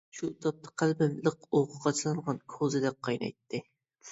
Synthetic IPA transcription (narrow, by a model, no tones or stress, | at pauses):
ʃut̪ʰɑp̚t̪ʰɑ̥qʰælbɪmləqoʁʊʁɑt͡ʃʰlˠɨŋʁɑnkʰozɨd̪ɛk̚qʰːɑjnɑ̰jt̪ʰːɪ